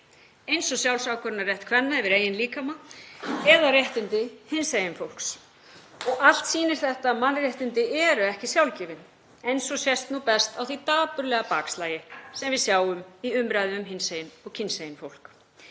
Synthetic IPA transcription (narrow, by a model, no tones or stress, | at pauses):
ejnsɔsjawlsawkʰœɾɪnarjɛht̪kʰvɛnːaɛvɪɾeːjɪnliːkama | ɛðarjɛht̪ɪnt̪ɪhɪnsejɪnfowl̥ks | ɔɣal̥t̪siːnɪɾ̥θɛht̪amanːrjeht̪ɪnt̪ɪɛɾʏɛhcɪsjawlcɪːvɪn | ejnsɔsjɛst̪nupɛst̪awθit̪aːpʏɾlɛɣapaːkslaːjɪsɛmvɪðsjaːwʏmiʏmɾajðɪʏmɦɪnsejɪnɔɣcʰɪnsejɪnfowlk